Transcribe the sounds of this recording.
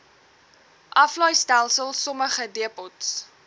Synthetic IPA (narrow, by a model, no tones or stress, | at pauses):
ʔɐflɐjstælˠsəlˠsɔməχədiəpɔts